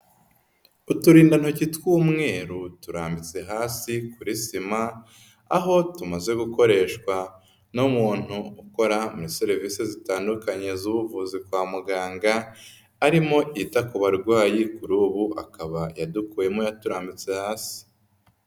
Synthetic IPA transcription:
utuɾiːndan̥hocitwuːmŋe̞ːɾutuɾaːmbit͡se̞ɦaːsikuɾisima | a̰ɦo̞tumaze̞ɡuko̞ɾe̞ːʃkwa | nomuːn̥huuko̞ɾamuɾiseɾiviːsezitaːndukaɲe̞zuβuvuzib̚ɡwaːmuɡaːŋɡaː | ɾimo̞ʔitakuβaɾɡwaːjikuɾuːβuʔa̰kaβajadukuːje̞mojatuɾaːmbit͡se̞haːsi̥

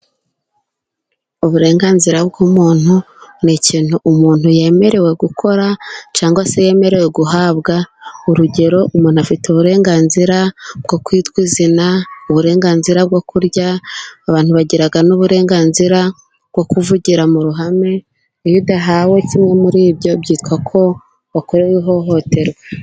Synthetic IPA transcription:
uβuɾe̞ːŋɡaːnziɾab̚ɡuːmuːn̥hu | niciːn̥huʔːmuːn̥huje̞ːme̞ɾe̞we̞ɡukʰo̞ɾat͡ʃaːŋɡwase̞je̞ːme̞ɾe̞we̞ɡuɦaːβɡauɾuɟe̞ɾo̞ʔumuːn̥uafituβuɾe̞ːŋɡaːnziɾab̥̚ɡo̞kwiːtɡwizinauβuɾe̞ːŋɡaːnziɾab̚ɡo̞kuɾɟaːβaːn̥huβaɟiɾaɡanuβuɾe̞ːŋɡaːnziɾa | bɡ̥o̞kuvuɟiɾamuɾuɦame̞ | judaɦawe̞cimŋe̞muɾiːbɟo̞bɟiːtkwakʰo̞ | βakoɾewiɦo̞ɦo̞te̞ɾwe

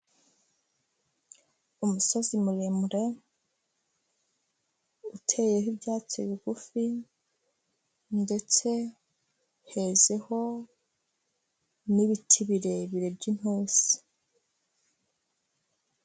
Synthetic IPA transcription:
umuso̞zimulemuɾe̞ | utʰe̞jehibjaːt͡soiβiɡufi | nde̞t͡se̞ | he̞ze̞ho̞ | niβitʰiβiɾe̞βiɾe̞bɟin̥osi̥

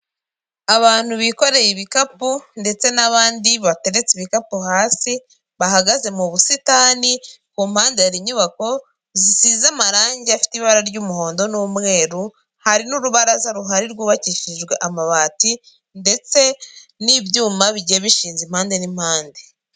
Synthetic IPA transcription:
aβaːn̥huβiko̞ɾe̞jiβikapunde̞t͡se̞naβaːndiβate̞ɾe̞t͡siβikapuɦaːsi | βaɦaɡaze̞muβusitaːni | kuːm̥haːndeaɾiɲuβako̞ | zisizamaɾaːɲɟeafi̥tiβaɾaɾɟuːmuho̞ːndo̞nuːmŋe̞ːɾu | haɾinuɾuβaɾazaɾuɦaɾiɾɡuːβaciʃiʒɡwe̞ʔamaβaːti | nde̞t͡se̞nibjuːmaβiɟeβiʃiːnzim̥haːnde̞nim̥haːnde

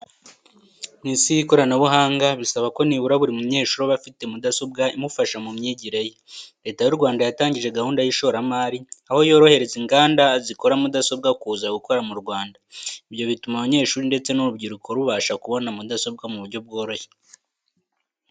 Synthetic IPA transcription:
nisiiko̞ɾanaβuɦaːŋɡaβisaβako̞niβuɾaβuɾimumuɲe̞ːʃuːɾoβafite̞mudaso̞bɡaimufaʃamumɲiːɟiɾejeɾe̞ːtajuɾɡwaːndajataːɲɟiʒe̞ɡahuːndajiʃo̞ːɾamaːɾiaho̞jo̞ːɾo̞he̞ɾe̞ziŋɡaːndaziko̞ɾamudaso̞b̚ɡakuːzaɡuko̞ɾamuɾɡwaːndaiβjo̞βitumaβaɲe̞ːʃuːɾinde̞t͡se̞nuɾubɟiɾukʰo̞ɾuβaʃakuβo̞namudaso̞b̚ɡamuβuɾɟo̞b̚ɡo̞ːɾo̞çe̥

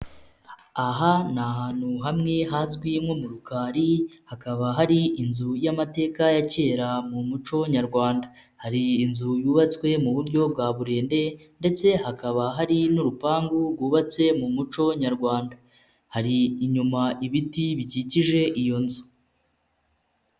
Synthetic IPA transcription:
aɦanaɦaːn̥huɦamŋe̞ɦazɡwimwo̞muɾukaːɾihakaβaɦaɾiʔinzujamate̞ːkajace̞ːɾamumut͡ʃo̞ɲaɾɡwaːnda | haɾiːnzujuːβat͡swe̞muβuɾɟo̞b̚waːβuɾe̞ːnde̞ | nde̞t͡se̞hakaβaɦaɾinuɾupaːŋɡuɾɡwuːβat͡se̞mumut͡ʃo̞ɲaɾɡwaːnda | haɾiːɲumaʔiβitiβiciciʒe̞ʔijo̞nzu

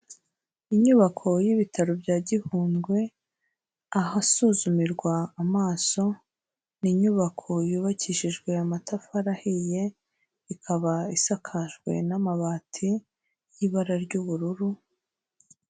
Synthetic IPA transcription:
iɲuβakʰo̞jiβitʰaɾobjaːɟihuːnɡwe̞ | aɦasuːzumiɾɡwaːmaːso̞ | niɲuβakʰo̞juːβaciʃiʒɡwe̞amatafaɾahije̞ | ikʰaβaisakʰaʒɡwe̞̰namaβaːtʰi | jiβaɾaɾɟuβuɾuɾu

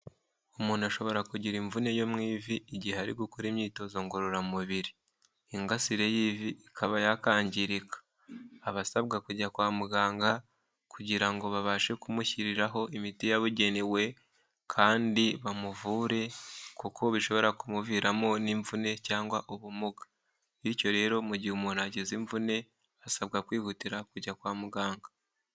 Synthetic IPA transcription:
umuːnaʃo̞βo̞ɾakuɟiɾiɱvune̞jo̞mŋiːviːɟihaɾiɡukoɾimɲiːto̞zo̞ŋɡo̞ɾoɾamumuβiɾiː | ŋɡasiɾe̞jiviːkʰaβajakaːɲɟiɾikḁː | βasaβɡakuɟakwaːmuɡaːŋɡa | kuɟiɾaŋɡo̞βaβaːʃe̞kumuçiɾiɾaɦo̞ʔimitijaβuɟe̞newe̞ | kʰaːndiβamuvuːɾe̞kukʰo̞βiʃo̞βo̞ɾakumuviːɾamo̞niɱvune̞caːŋɡwaʔoβumuɡḁ | iico̞ɾe̞ːɾo̞muɟiumonaɟeziɱvune̞ | βasaβ̚ɡakwiːhutiɾakuɟakwaːmuɡaːŋɡa

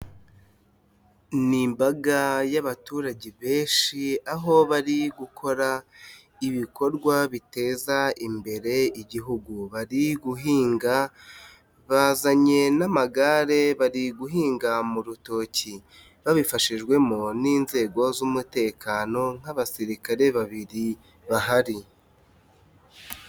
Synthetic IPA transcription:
nimbaɡajaβatuːɾaɟeβe̞ːnʃiaɦo̞βaɾiɡukʰo̞ɾa | iβiko̞ɾɡwaβite̞ːzaimbe̞ɾe̞iɟiɦuɡuβaɾiɡuɦiːŋɡa | βazaɲe̞namaɡaɾe̞βaɾiɡuɦiːŋɡamuɾuto̞ci | βaβifaʃiʒɡwe̞moniːnze̞ːɡo̞zumute̞ːkʰaːno̞ŋ̥aβasiɾikaɾe̞βaβiɾi | βaɦaɾi

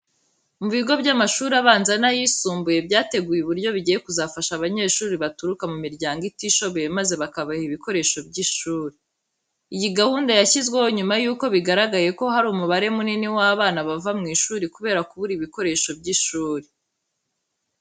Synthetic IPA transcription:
muβiɡo̞bɟamaʃuːɾiaβaːnzanajisuːmbuje̞bɟaːte̞ɡujeβuɾɟo̞βiɟijekuzafaʃaβaɲe̞ːʃuːɾiβatuɾukamumiɾɟaːŋɡitiʃo̞βojemaze̞βakaβahiβiko̞ɾe̞ːʃo̞bɟiʃuːɾi | ijiɡahuːndajaçizɡwe̞wo̞ɲumajuːko̞βiɡaɾaɡaje̞ko̞haɾuːmuβaɾe̞muniniwaːβaːnaβavamŋiːʃuːɾikuβe̞ːɾakuβuɾiβiko̞ɾe̞ʃo̞b̚ɟiʃuːɾi

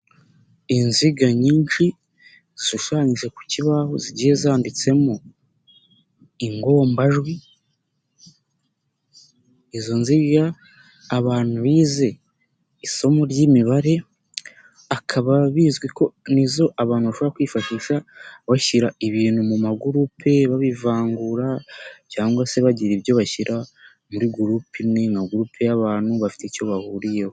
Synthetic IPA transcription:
inziɡaɲiːnʃi | ziʃuʃaːɲiʒe̞ku̥ciβaho̰ziɟiːje̞zaːndit͡se̞mo | iŋɡo̞ːmbaʒɡwi | ezo̞nziɡaː | βaːnhuβiːze̞ | iso̞moɾɟimiβaɾe̞ | akʰaβaβizɡwiko̞nizo̞ʔaβaːnhuβaʃoβɾakwiːfaʃiʃaβaçiɾaiβiːnhumumaɡuɾupʰe̞βaβivaːŋɡuɾacaːŋɡwase̞βaɟiɾiβjo̞βaçiɾʔa | muɾiɡuɾupimŋe̞ŋaɡuɾupʰe̞jaβaːn̥huβafi̥teco̞βahuːɾijeho

